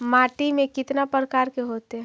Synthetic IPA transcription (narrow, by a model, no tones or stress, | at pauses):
maːʈimẽkɪt̪napəɾəkaːɾkeɦoːt̪eɦɛ̃